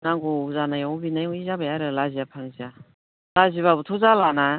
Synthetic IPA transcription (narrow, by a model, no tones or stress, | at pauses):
naŋɡɔuzanajabinajuizabajaɾɯlazijapʰaŋzia | laziβabutʰɔzalana